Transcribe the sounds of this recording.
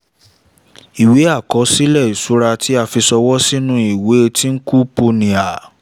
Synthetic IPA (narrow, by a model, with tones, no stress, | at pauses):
i˨we˨˦a˦˨kɔ˨˦si˦lɛ˦˨i˨su˨˦ɾa˧tʰi˨˦a˦˨fi˧sɔ˧wɔ˦si˦nũ˦i˨we˨˦˧tʰi˦n̩˦ku˦po˧nĩ˨a˨